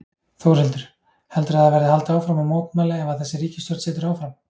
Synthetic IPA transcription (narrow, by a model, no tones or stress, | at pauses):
θowɾ̥hɛlt̪ʏɾ̥ | hɛlt̪ʏɾaðavɛɾðɪhalt̪aːwfɾamamoːwt̪mɛːlaɛvaðθɛsːɪɾiːcɪ̥st̪œɾ̥t̪sɛːt̪ʏɾaːwfɾam